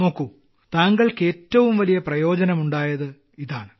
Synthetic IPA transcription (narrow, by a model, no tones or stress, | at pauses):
mokːu | t̪aːŋɡɐɭke̞ːtːɐʋumʋɐlijɐprɐjo̞ːd͡ʑɐnɐmuɳɖaːjɐðɨ | iðaːɳɨ